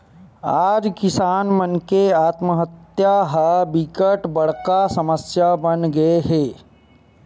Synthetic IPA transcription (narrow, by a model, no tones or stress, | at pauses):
aːd͡ʒkɪsaːnmənkeaːt̪məɦət̪jaɦəbikəʈbəɽ̤kasɐməsjabənɡɐeɦeː